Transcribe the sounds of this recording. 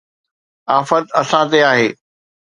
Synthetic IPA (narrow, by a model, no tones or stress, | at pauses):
aːfət̪ɐsãt̪eaːɦeː